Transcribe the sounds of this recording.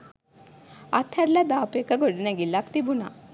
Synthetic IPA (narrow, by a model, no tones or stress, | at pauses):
at̪ʰːɐɾlad̪aːpekɐɡoɽinɐɡilːakt̪ibuna̰